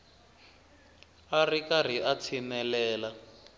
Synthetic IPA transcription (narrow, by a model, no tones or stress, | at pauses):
arikar̤iʔat͡sʰinɛlɛːla